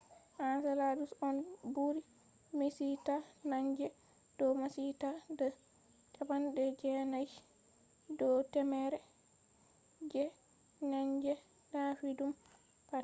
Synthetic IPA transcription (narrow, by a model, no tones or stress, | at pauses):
ʔansaladusɔnbuɾi | misitanaɲd͡ʒɛ | d̥ɔmasitadɔ | t͡ʃabandɛd͡ʒɛnaj | dɔtɛmɛɾɛ | d͡ʒɛ | naɲɡɛ | nafidum | pat